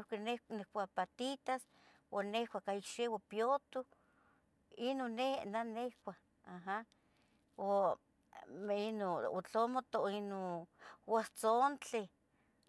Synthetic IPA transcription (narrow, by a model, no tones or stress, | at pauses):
ohkinenekʷapat̪it̪as | wanehkʷakaikʃewapjot̪u | inonenanehkʷah | aɦa | o | meinoo̰t͡ɬomot̪oinowaht͡sont͡ɬe